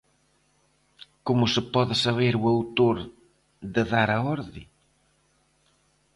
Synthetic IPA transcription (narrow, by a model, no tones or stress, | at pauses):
komʊsɪpɔðɪsaβeɾuawt̪oɾ | ðɪðaɾaɔɾði